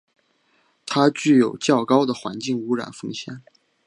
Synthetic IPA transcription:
t̪ʰa˥t͡ɕy˥˩jo˨˩ʊt͡ɕjɑ˥˩ʊkɑ˥ʊd̪ə˨xwa̰˧˥nt͡ɕi˥˩ŋu˧˥ɻa̰˨˩nfɤ˥˧ŋɕjɛ̰˨˩˦n

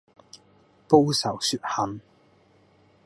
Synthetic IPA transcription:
po˥wsɐ˨˩wsyː˧t̚hɐ˨˥m

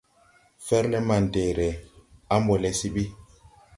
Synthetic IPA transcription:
fɛ˦ɾlɛ˦ma˨n̩˨te˨ɾɛ˨a˦m˦bɔ˨lɛ˨si˦bi˦

